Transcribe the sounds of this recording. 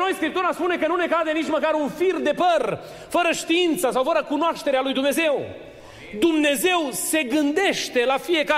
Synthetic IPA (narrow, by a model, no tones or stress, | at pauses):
nojskɾip̚t̪uɾaspune̞kənune̞kad̪enit͡ʃʲməkaɾunfird̪e̞pər | fəɾəʃt̪iint̪səsawfəɾəkunoaʃt̪e̞ɾealujd̪umne̞ze̞w | d̪umne̞ze̞wse̞ɡɨnd̪e̞ʃt̪e̞lafije̞ka